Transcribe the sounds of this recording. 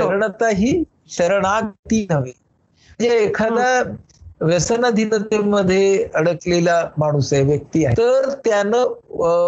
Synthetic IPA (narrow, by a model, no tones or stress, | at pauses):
ɕəɾəɳ̃ət̪aɦiː | ɕəɾəɽ̃aɡt̪iːnəʋi | d͡ʑeekʰad̪a | ʋesənad̪ʱinət̪əmːəd̪ʱːjeəɽəklelamaɽ̃usajʋjək̚t̪iːa̰ɦḛt̪əɾt̪janə